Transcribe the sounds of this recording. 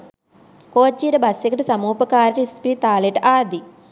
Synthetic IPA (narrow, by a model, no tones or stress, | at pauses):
koːt͡ʃːiɾɨbɐsikɐʈɨsɐmuːpɐkaːɾiʈispɾiːt̪aːleʈaːd̪i